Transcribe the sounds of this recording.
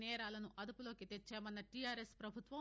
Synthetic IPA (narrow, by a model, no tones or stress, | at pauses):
nɛːɾaːlɐnuʔɐd̪upulo̞ːkit̪et͡ʃːɛːmɐnːɐʈijaːɾespɾɐbʱut̪ʋɐ